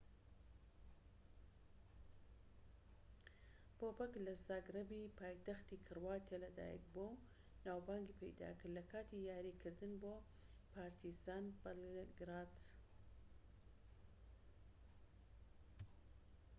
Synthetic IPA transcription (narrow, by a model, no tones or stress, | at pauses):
b̥oːbɐklɐzaːɡɾɐbipʰaːjt̪axt̪iːkʰɨrwaːt̪ʰelɐd̪a̰ːjɛ̰kbo | naːwbaːŋɡipʰɛ̰jd̪a̰ːkɨɾlɐkʰaːt̪ijaːɾiːkʰɨɾd̪ɨnboː | pʰaːɾt̪ʰizaːnbɐlɡɾaːd̪